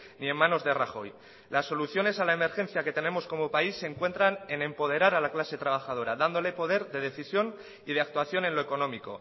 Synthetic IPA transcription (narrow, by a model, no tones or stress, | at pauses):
nie̞mːãno̞zðeraxo̞̰j | lasːo̞luθjo̞ne̞salaeme̞ɾxẽ̞n̟θjake̞t̪e̞ne̞mo̞sko̞mo̞paisːeŋkwe̞nt̪ɾane̞nẽ̞mpo̞ð̞e̞ɾaɾalaklase̞t̪ɾaβ̞axaðo̞ɾaðand̪o̞le̞po̞ð̞e̞ɾðe̞ð̞e̞θisjo̞n | ið̞eak̚t̪waθjo̞ne̞nloeko̞no̞miko̞̰